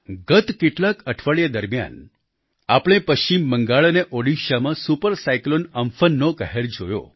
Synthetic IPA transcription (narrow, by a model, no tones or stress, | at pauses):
ɡət̪keʈlãkəʈʰʋəɭjad̪əɾmja̰n | apɽ̃ẽpəʃt͡ʃimːəŋɡaɭəneʔoɽiʃamãsupəɾsajklonəmfənːokəɦeɾd͡ʒojo̰